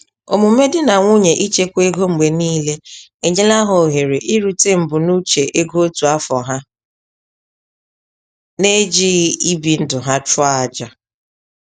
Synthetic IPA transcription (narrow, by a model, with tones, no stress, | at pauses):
o̰˨mu˨˦me˦dɪ˦na˨ŋʷu˦ɲe˨ʔi˦t͡ʃe˦kʷe˦ɡo˦ŋ͡m̩˨ɡ͡be˨niː˦le˦e˨ɲe˦la˦ɦʊ˨ɦe˨ɾe˨ʔi˦ɾu˨te˦m̩˨bʊ˨nu˦t͡ʃe˨ʔe˦ɡo˦o˦tu˨a˦fɔ˨ɦa˦ | ne˦d͡ʒi˦ɣi˦bi˨n̩˦dʊ˨ɦa˦t͡ʃʊ˦aa˨d͡ʒa˨